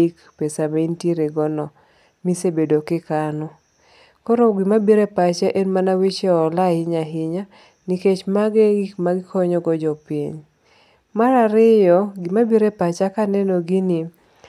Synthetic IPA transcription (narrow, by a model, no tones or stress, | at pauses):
ik | pesamainteɾeɡɔnɔ | misebedokɪkanɔ | kɔɾoɡɪmabiɾepat͡ʃaʔenmanawit͡ʃɛɔlahɪɲaɦɪɲa | niket͡ʃmaɡemaɡɪkʰɔɲɔɡɔd͡ʒɔpḭɲ | maɾaɾɪjɔɡɪmabiɾepat͡ʃakanɛnoɡinɪ